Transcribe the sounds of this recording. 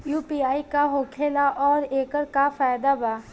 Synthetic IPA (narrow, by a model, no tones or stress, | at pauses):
juːpiːaːikaɦoːkʰeːlaʔɔːɾeːkəɾkafaːjd̪abaː